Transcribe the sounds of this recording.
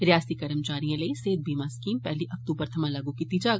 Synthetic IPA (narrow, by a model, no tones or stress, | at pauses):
ɾɪjaːsikɐɾəmt͡ʃaːɾijãleiseːd̪̚bʱiːmaskiːmpɛɦliʔɐk̚t̪uːbəɾt̪ʰɐmãlɐɡũkit̪id͡ʒa